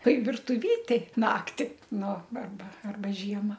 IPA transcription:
ˈtoːɪ ʋʲɪrtʊˈʋʲiːtʲeːj ˈnɑːktʲɪ ˈnʊ ɐrˈbɐ ɐrˈbɐ ˈʒʲiɛmɐ

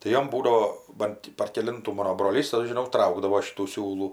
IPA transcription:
tɐɪ ˈjoːm ˈbuːdɐʋoː ˈbɐn tʲɪ pɐr kʲɛˈlʲɪntuː ˈmɑːnoː broːˈlʲiːs ɐʃ ʒʲɪˈnɐʊ ˈtrɐʊɡdɐʋoː ˈʃʲɪtuː ˈsʲuːlˠuː

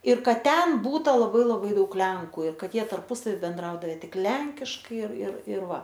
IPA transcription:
ɪr ˈkɐt ˈtʲɛn ˈbuːtɐ lˠɐˈbɐɪ lˠɐˈbɐɪ ˈdɐʊk ˈlʲɛŋkʊ ɪr ˈkɐt ˈjiɛ tɐrˈpʊsɐʋʲɪ bʲɛnˈdrɐʊdɐʋʲɛ ˈtʲɪk ˈlʲɛŋʲkʲɪʃkɐɪ ɪr ɪr ɪr ˈʋɐ

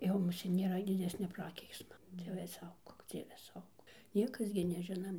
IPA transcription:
jɛʊ mʊˈsʲeːt nʲeːˈrɐ dʲɪˈdʲæːsʲnʲɛ ˈprɑːkʲɛɪksmɐ ˈdʲiɛʋʲɛ ˈsɐʊɡoːk ˈd͡zʲiɛʋʲɛ ˈsɐʊɡoːk ˈnʲiɛkɐs ɡʲɪ nʲɛˈʒʲɪnɐm

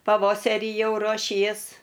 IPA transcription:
pɐˈʋoːsʲɛrʲɪ ˈjɛʊ ruɔˈʃʲiɛs

